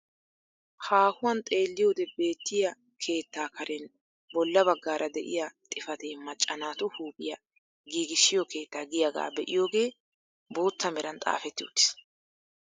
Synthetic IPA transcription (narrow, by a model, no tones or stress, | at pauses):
haːhʊwɐnt̪ʼe̞ːlːɪjoːd̪ɛbe̞ːt̪ːɪjɐ | kʰe̞ːt̪ːaːkɐɾʔɛn | bɔlːɐbɐɡːaːɾʔɐd̪ɛʔɪ̰jat̪ʼɪfɐt̪eːmɐt͡ʃʼːɐnaːt̪ʊhuːpʼɪjɐ | ɡiːɡɪʃːɪjɔke̞ːt̪ːaːɡɪjaɡa̰ːbɛʔɪjo̞ːɡe̞ː | bo̞ːt̪ːɐmɛɾɐnt̪ʼa̰ːfɛt̪ːɪo̰ːt̪ːɪ̥s